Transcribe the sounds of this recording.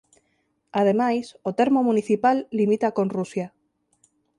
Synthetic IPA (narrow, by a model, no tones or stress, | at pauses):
að̞emajsot̪eɾmomũniθipalːimit̪akonrusja